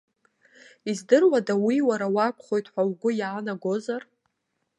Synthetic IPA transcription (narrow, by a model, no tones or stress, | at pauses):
izdɨrwadawiwaɾawakʷʰχo̞jtʰħʷawɡʷʊjaːnaɡo̞zar